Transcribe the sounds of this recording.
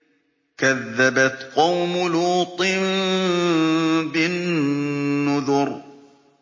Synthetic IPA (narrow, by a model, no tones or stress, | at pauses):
kaðːabat̪qɑwmʊluːt̪ˤɨm | bɪnː | ʊðʊɾ